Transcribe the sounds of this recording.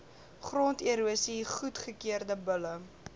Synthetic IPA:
χrɔntiɾuəsiχutχəkiərdəbələ

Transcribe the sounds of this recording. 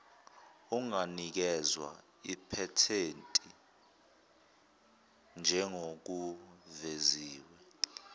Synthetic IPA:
uŋanik̬ɛzwa̰ | ipʰɛtʰentʼi | nd͡ʒʱɛŋok̬uveziːwɛ

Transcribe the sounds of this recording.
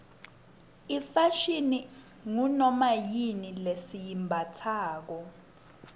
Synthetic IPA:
ifaʃini | ŋunɔmajinilesijimbʱatʰaːk̬ɔ

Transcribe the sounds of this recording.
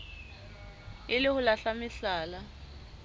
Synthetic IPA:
ɪlɪhʊlaɬamɪɬaːla

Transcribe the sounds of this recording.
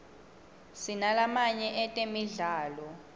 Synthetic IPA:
sinalamaɲɛʔɛtʼemiɮaːlɔ

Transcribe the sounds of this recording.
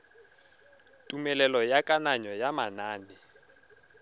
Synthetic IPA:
tʼumɛlɛlɔjakʼanaɲɔjamanaːni

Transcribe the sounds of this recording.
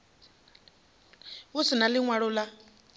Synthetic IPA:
usinaliŋwaɺɔla

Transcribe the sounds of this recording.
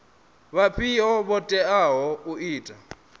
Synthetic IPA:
βapʰiɔβɔtʼɛaɦɔuiːtʼa

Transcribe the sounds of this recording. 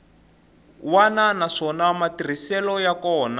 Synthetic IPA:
wananaʂɔnamatir̤isɛlɔjakɔːna

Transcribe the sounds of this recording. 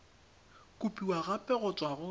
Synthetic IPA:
kʼupʼiwaɣapʼɛɣʊt͡ʃʼwaɣʊ

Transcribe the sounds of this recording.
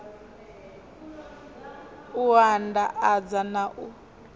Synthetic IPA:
uɦandaʔad͡zanaʔu

